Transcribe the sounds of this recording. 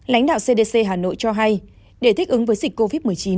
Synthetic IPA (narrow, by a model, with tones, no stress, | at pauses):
la̰˧˦jŋ̟ɗa̰ː˧˨wse˧ɗe˧se˧ɦaː˨˩no̰˧˨jt͡ɕɔ˧ɦa˧j | ɗe˧˩t̪ʰi˦˥k̟̚ʔɨ˨˦ŋvəː˨˦jzi˨˩k̟ko˧vi˦˥t̚mɨ˨˩əjt͡ɕi˨˦n